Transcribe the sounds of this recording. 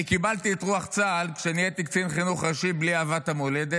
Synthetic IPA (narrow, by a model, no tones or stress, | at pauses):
ikibalt̪iet̪ʁuaχt͡salkʃenijet̪ikt͡sinχinuχʁaʃibliaːvat̪hamoled̪e